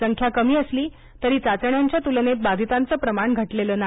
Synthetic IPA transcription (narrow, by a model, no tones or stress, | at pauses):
əŋkʰjakəmiːəsliː | t̪əɾiːt͡sat͡səɳjaɲt͡ɕjat̪ulnet̪̚bad͡z̪ʱit̪ant͡səːpɾəmaɳɡʱəʈleləna